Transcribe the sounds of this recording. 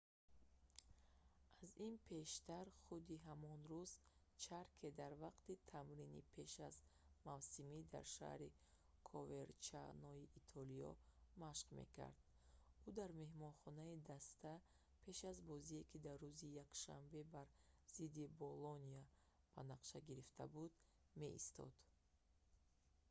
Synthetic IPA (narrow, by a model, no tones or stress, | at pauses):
ʔazinpʰe̞ʃt̪aɾχud̪iɦamɔnɾuz̥ | t͡ʃʰaɾkʰe̞d̪aɾvaqt̪it̪ʰamɾinḭpʰe̞ʃazmavsimid̪a̰ɾʃa̰hɾi | kʰɔve̞ɾt͡ʃʰa̰nɔiʔːt̪ʰɔliɔ̰maʃqme̞̰kʰa̰ɾd̪ | ud̪aɾme̞hmɔnχɔnaid̪ast̪a | pʰe̞ʃazbɔziekʰid̪arːuzijakʃa̰mbe̞baɾz̥id̪ibolɔnia | b̥anaqʃaɡiɾift̪ʰa̰bud̪ | me̞ʔḭst̪ʰɔ̰d̪̥